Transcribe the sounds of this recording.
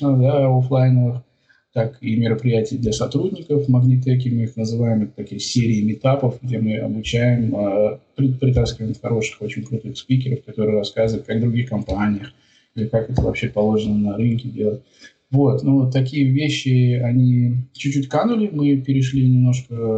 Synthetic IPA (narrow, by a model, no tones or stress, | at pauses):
əd̪aoflˠajnəvɨx | t̪akimʲɪɾəpɾʲɪjætʲɪjd̪lʲɐsɐt̪ɾudʲnʲɪkəfməɡnʲɪt̪̬ɛk̬ʲɪmɨixnəzɨvajɪmɛt̪ət̪ːɐkʲijsʲeɾʲɪːmʲɪt̪apəfɡdʲe̞mɨɐ̰bʊt͡ɕæjɪməpɾʲɪpɾʲɪt̪askʲɪvəɪmxɐɾo̞ʂɨ̥xo̞t͡ɕɪnʲkɾʊt̪ɨxspʲikʲɪɾəfkɐt̪o̞ɾɨəɾɐskazɨvɨt̪̚kaɡvd̪ɾʊɡʲixkɐmpanʲɪjəx | ilʲɪkakɛt̪əvɐ̰pɕe̞pɐlˠo̞ʐɨnənɐɾɨnkʲɪdʲe̞lˠət̚ʲ | vo̞t̪not̪ːɐkʲijəvʲeɕːɪɐnʲit͡ɕʉt͡ɕːutʲkanʊlʲɪmɨpʲɪɾʲɪʂ̬lʲinʲɪmno̞ʂkə